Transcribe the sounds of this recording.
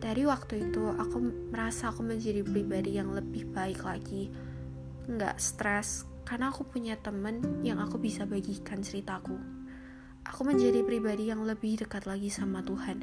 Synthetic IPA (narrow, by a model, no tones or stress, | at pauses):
d̥aɾiwak̚t̪uit̪uʔakuməɾasaːkuməɲd͡ʒadipɾibadijaŋləbɪhb̥aɪklaɡi | ŋɡa̰ʔst̪ɾɛs | karnaːkupuɲat̪əmənjaŋakubisabaɡikant͡ʃəɾit̪aːku | ʔakuməɲd͡ʒadipɾibadijaŋləbɪhdəkat̪laɡisamat̪uhan